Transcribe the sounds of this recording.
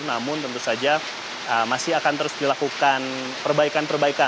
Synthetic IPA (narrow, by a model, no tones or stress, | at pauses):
namʊnt̪ənt̪usad͡ʒa | əmasɪɦakant̪əɾʊsdilakukan | pərbaikanpərbaika